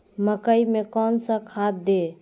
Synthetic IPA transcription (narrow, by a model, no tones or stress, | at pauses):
məkəjmekɔnsə̃kʰat̪̚d̪e